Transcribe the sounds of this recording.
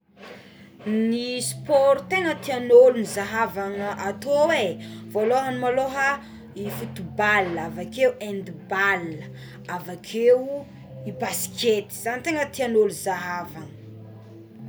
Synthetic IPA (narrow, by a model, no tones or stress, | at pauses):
nispɔɾut̪eŋət̪ianolunizaɦavaŋəʔat̪owevoloɦənimaloɦə | ifut̪ubalːavakewɛ̃nd̪ibalə | avakʰeu | ibasi̥kʰet̪i̥z̥anit̪eŋət̪ianoluzaɦavaŋə